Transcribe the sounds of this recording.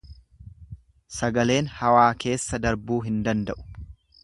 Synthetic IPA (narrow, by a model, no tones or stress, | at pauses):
sɐɡɐle̞ːnhɐwaːke̞ːsːɐd̪ɐɾbuːɦɪnd̪ɐnd̪ɐʔʊ̥